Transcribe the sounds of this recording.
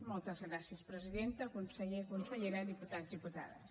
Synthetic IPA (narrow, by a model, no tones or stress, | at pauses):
mɔlˠt̪əzɣɾasiəspɾəziðent̪əkunsəekunsəʎeɾaðiput̪azðiput̪a̰ðə̰s